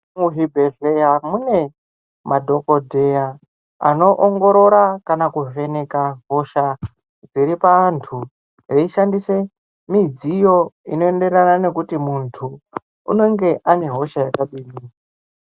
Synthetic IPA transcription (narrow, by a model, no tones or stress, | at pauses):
muɦibʱeɮejamune̞ | madʱo̞ko̞dʱe̞ja | a̰no̞ʔoŋɡo̞ɾo̞ɾakanakuve̞ne̞kaɦo̞ʃa | d͡ziɾipantʰu | reiʃandise̞ | mid͡zijo̞ino̞e̞nde̞ranane̞kutimuntʰu | ṵno̞ŋɡe̞ʔane̞ɦo̞ʃajakaɓiːniːka